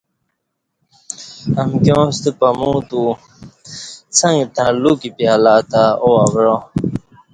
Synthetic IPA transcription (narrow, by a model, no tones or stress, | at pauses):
ɐmkjõːst̪əpɐmũːt̪u | t͡sʰɐ̃ŋɡt̪ãlukipjaːlaːt̪aoaɡɾõː